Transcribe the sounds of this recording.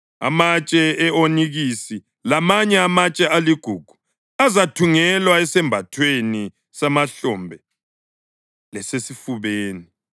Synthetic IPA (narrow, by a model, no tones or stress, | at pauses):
a̰mat͡ʃʼɛɛoniɣisi | lamaɲɛamat͡ʃʼɛaliɡ̥ʱuːɡ̥ʱu̥ | azatʰuŋɛlwaɛsɛmbʱatʰweni | samaɬɔmbʱɛ | lɛsesifuβeːni